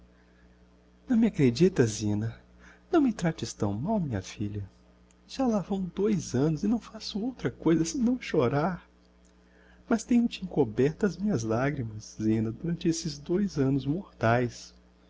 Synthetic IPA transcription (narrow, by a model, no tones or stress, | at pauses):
nɐ̃w̃mɪakɾed͡ʒit̪ɐzĩnɐ | nɐ̃w̃mɪt̪ɾat͡ʃɪst̪ɐ̃w̃mawmĩɲɐfiʎɐ | ʒ̥alavɐ̃w̃d̪ojzɐ̃nʊzɪnɐ̃w̃fasʊowt̪ɾɐkojzɐsɪnɐ̃w̃ʃoɾaɾ | mɐst̪ẽɲʊt͡ʃɪẽkobɛɾt̪ɐːzmĩɲɐzlaɡɾimɐszĩnɐd̪uɾɐ̃nt͡ʃɪesɪzd̪ojzɐ̃nʊzmoɾt̪ajs